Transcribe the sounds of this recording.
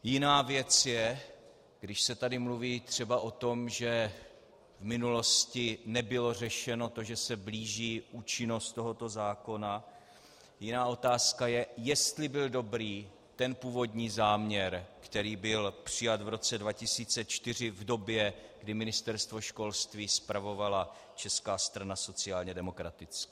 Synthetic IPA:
jɪnaːvjɛt͡sjɛ | ɡdɪʃsɛt̪adɪmluviːt̪r̝̥ɛbaʔo̞t̪o̞mʒɛ | vmɪnulo̞scɪnɛbɪlo̞r̝ɛʃɛno̞t̪o̞ʒɛsɛbliːʒiːʔuːt͡ʃɪno̞st̪t̪o̞ɦo̞t̪o̞zaːko̞na | jɪnaːʔo̞t̪aːskajɛjɛst̪lɪbɪldo̞bɾiː | t̪ɛnpuːvo̞dɲiːzaːmɲɛɾkt̪ɛɾiːbɪlpr̝̥ɪjat̪vɾo̞t͡sɛdvacɪsiːt͡sɛt͡ʃt̪ɪr̝ɪvdo̞bjɛɡdɪmɪnɪst̪ɛɾst̪vo̞ʃko̞lst̪viːspɾavo̞vala | t͡ʃɛskaːst̪ɾanaso̞t͡sɪaːlɲɛdɛmo̞kɾat̪ɪt͡skɪ

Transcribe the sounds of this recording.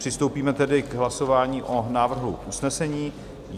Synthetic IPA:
r̝̥ɪst̪o̞wpiːmɛt̪ɛdɪɡɦlaso̞vaːɲiːʔo̞naːvr̩ɦṵʔusnɛsɛɲiː

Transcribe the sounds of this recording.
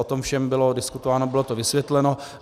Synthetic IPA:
ot̪omfʃɛmbɪlodɪskut̪ovaːnobɪlot̪ovɪsvjɛt̪lɛno̞

